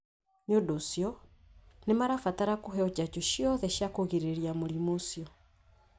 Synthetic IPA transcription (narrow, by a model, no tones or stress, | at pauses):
nodosjɔ | nemaɾafataɾakuɦɛɔt͡ʃat͡ʃɔʃjɔðɛʃjakoɣeɾeɾiamoɾimosjɔ